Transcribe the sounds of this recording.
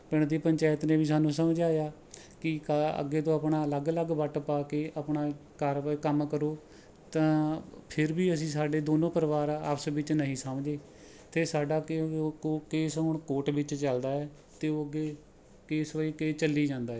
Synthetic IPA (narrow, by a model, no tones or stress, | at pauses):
pɪɳ̃d̪iːpəɲt͡ʃaːjt̪nẽːʋiːs̬aːnːũːsəmd͡ʒaːjaː | kɪkə̰ɡeːt̪õːəpɳaːələɡləɡbəʈpaːkeːʔəpɳaːkəɾkəmkəɾoː | t̪ãːpʰɪɾbiːəsĩːsaːɖeːd̪oːnõːpəɾʋaːɾa̰ːpsʋɪt͡ʃnəɦĩːsəmd͡ʒeː | t̪ʰeːsaːɖaː | keːsʊɳkoːʈʋɪt͡ʃt͡ʃəld̪aːɛː | t̪eːoːəɡeː | keːsʋəiːkeːt͡ʃəlːiːd͡ʒãːnd̪aːɛː